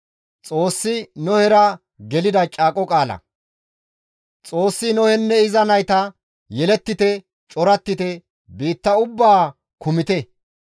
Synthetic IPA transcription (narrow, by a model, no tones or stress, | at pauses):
t͡sʼo̞ːsːɪnɔhɛɾɐ | ɡɛlɪd̪ɐt͡ʃʼaːkʼɔkʼaːlɐ̰ | t͡sʼo̞ːsːɪnɔhɛnːɛɪzɐnɐjt̪ɐ | jɛlɛt̪ːɪt̪ɛ | t͡ʃʼɔɾɐt̪ːɪt̪ɛ | biːt̪ːɐʊbːaː | kʊmɪt̪ɛ